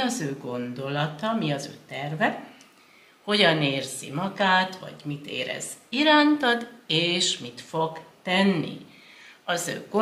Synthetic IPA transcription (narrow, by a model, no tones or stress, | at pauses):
ɒzøːɡo̞nd̪o̞lɒt̪ɒmiɒzø̰ːt̪ɛrvɛ | ho̞ɟɒneːrz̥ḭmɒɡaːt̪ʋɒ̰ɟmit̪ḛːɾɛ̰z̥iɾaːnt̪ɒd̪eːʃmit̪foɡt̪ɛnːḭ | ɒzø̰ːɡ̥o